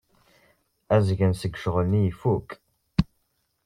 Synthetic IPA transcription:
æzʝənsəɡʷʃʁəlnijifuk

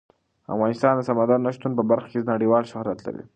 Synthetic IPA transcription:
a̰fɣɑnɪst̪ɑnd̪əsamad̪ɑɾnːaʃt̪unp̬əbaɾxḁkenaɽiwɑlʃʊhɾjat̪la̰ɾḭ

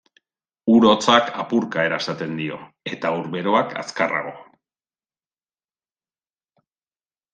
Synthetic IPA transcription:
uɾo̞t͡sakʰapuɾkae̞ɾaesat̪e̞nd̪io̞̰ | e̞t̪auɾβe̞ɾoakʰa̰skara̰ɣo̞

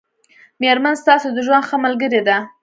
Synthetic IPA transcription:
meɾmanst̪ɑsod̪əʒwand̪xəmalɡəɾed̪a

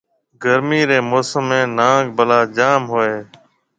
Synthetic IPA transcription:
ɡəɾmiːɾeːmoːsəmːẽːnãːɡbəlaːd͡ʒaːmɦoːeː

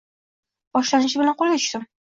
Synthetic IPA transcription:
b̥ɒʃlanɪʃ̬ɪbɪlanqʰolˠɡʲat̪ʊ̥ʃt̪ɪm

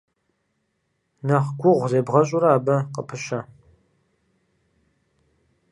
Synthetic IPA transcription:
nɐʁɡʷʊʁʷzeːbʁɐɕʼʊɾaːbɐqəpʰɨɕɐ

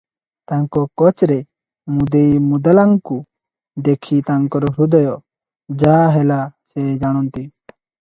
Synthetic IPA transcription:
t̪aŋkɔkɔt͡ʃɾɛ | mud̪ejmud̪alaŋku | d̪ekʰit̪aŋkɔɾɔɾud̪ɔjɔ | d͡ʒaɦɛlasɛd͡ʒaɽ̃ɔnt̪i

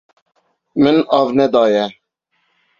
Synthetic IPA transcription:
mɨnɑvnɛd̪ɑːjɛ

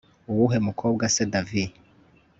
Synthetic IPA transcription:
uwuɦemukʰoːbɡasedavi

